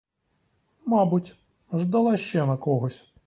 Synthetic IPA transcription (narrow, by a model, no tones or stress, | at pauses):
mɑbutʲ | ʒd̪ɐlˠɑʃt͡ʃɛnɐkɔɦɔsʲ